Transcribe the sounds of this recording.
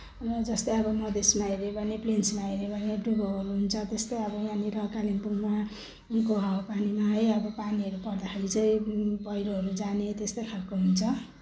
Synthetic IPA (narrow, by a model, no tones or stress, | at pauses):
rʌd͡zʌst̪ʌjʌbʌmʌd̪esmaiɾebʱʌneplensmaɦiɾebʱʌneɖuɡoɦʌɾuɦunt͡sʰʌt̪est̪ʌjʌbʌjãniɾʌkalinpuŋma | nkoɦawopanimaɦʌjʌbʌpaniɦʌɾupʌrd̪akʰeɾid͡zʌjbʌjɾoɦʌɾud͡zanet̪est̪ʌjkʰalkoɦunt͡sʰʌ